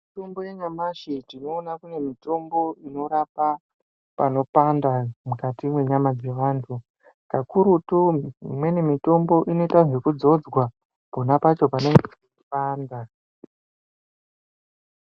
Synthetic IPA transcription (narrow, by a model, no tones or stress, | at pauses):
mito̞mbo̞jeɲamaʃetino̞ːnakune̞mito̞mbo̞ino̞ɾapa | pano̞pandamukatimwe̞ɲamad͡ze̞ʋaːntʰu | kakuɾutumwe̞nemito̞mbo̞ʔino̞tanʒekud͡zo̞d͡zɡwa | ponapat͡ʃo̞pane̞ŋɡe | upaːnda